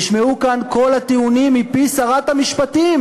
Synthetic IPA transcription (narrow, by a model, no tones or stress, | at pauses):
ʃmeukanko̞lat̪iunimːipisaʁat̪hamiʃpat̪im